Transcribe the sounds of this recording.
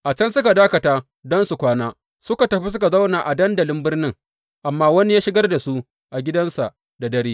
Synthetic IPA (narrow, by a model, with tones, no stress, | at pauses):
ʔa˨t͡ʃɐ˦nsʊ˦ka˨daː˦kɐ˨taː˦ | dɔ˦nsu˨kʷaː˦naː˦ | sʊ˦ka˨tɐ˨ɸi˦s̬ʊ˦ka˨za˦wnaː˨ʔa˨dɐ˦ndɐ˨lɪ˦mbɪ˦rnɪ˦ŋ | ʔa˨mːaː˦wɐ˦ni˦jaː˦ʃɪ˦ɡɐ˦rda˨su˦ | ʔa˨ɡʲɪ˦dɐ˦nsa˨ʔ | da˨dɐ˦ɾiː˦